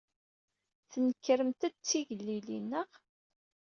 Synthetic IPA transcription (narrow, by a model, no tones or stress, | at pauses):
θnəkːɾəmt̪æt͡sːiʝəlːilinːəʁ